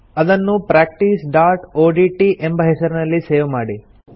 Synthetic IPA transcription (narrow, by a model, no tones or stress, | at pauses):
ɐd̪ɐnːupɾaːk̚ʈiːsɖaːɾʈoːɖiʈiʔembɐɦesɐɾunɐlːiseːʋmaːɽi